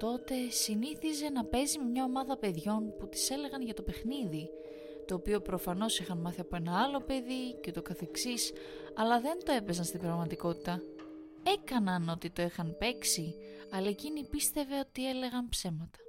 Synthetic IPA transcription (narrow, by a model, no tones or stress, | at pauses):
t̪o̞t̪e̞siniθize̞nɐpe̞zime̞mɲɐo̞mɐðɐpe̞ðʝo̞nput̪i̥se̞le̞ɣɐnʝɐt̪o̞pe̞xniði | t̪o̞ːpio̞pɾo̞fɐno̞sixɐnmɐθiɐpoe̞nɐɐlo̞pe̞ðice̞t̪o̞kɐθe̞ksis | ɐlɐðe̞nt̪o̞e̞pe̞zɐnst̪ibɾɐɣmɐt̪iko̞t̪i̥t̪ɐ | e̞kɐnɐno̞t̪it̪o̞ixɐnpe̞ksi | ɐlɐecinipist̪e̞ve̞o̞t̪ie̞le̞ɣɐnpse̞mɐt̪ɐ̥